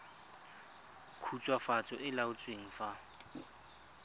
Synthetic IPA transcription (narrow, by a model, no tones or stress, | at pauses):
kʰut͡sʼwafat͡sʼɔʔɪlaʊt͡sʼweŋ̩fa